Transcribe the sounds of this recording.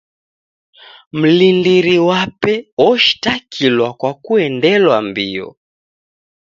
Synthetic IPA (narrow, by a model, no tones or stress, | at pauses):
m̩lindiɾiwapɛɔʃi̥takʰilwakwakuɛndɛlwambiɔ̰